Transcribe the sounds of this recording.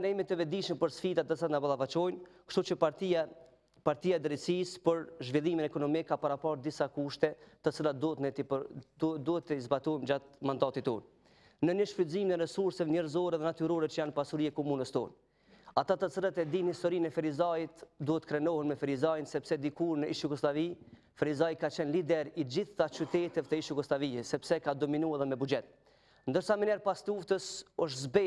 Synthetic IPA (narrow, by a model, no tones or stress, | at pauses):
nɛjmit̪ɛvɛd̪iʃmpəɾsfit̪att̪ət͡slat̪nabalˠavat͡ʃɔjnkʃt̪ut͡ʃə | paɾt̪iaɛd̪ɾisispəɾʒvilˠiminɛkɔnɔmikːapaɾapaɾd̪isakuʃt̪ɛt̪ət͡silˠat̪̚d̪ut̪nɛt̪ipəd̪uhɛt̪ːəizbat̪ɔjmd͡ʒat̪mand̪at̪it̪ɔn | nəɲəʃfyziminɛɾɛsuɾsɛvɲɛɾzɔɾɛðɛnat̪yɾɔɾɛt͡ʃəjanpasuɾiɛkɔmunəst̪ɔn | at̪at̪ət͡səɾət̪ɛd̪inhist̪ɔɾinɛfɛɾizajit̪d̪uhɛt̪ːəkɾɛnɔhɛnmɛfɛɾizajnsɛpsɛd̪ikuɾnəʔiʃjuɡɔslavi | fɛɾizaikat͡ʃɛnlid̪ɛɾid͡ʑiθːat͡ʃyt̪ɛt̪ɛvt̪ɛiʃjuɡɔslavihɛsɛpsɛkad̪ɔminuaðɛmɛbud͡ʒɛt̪̚ | nd̪əɾsamɛnɛɾpast̪uft̪əsɔʃ̬zbɛ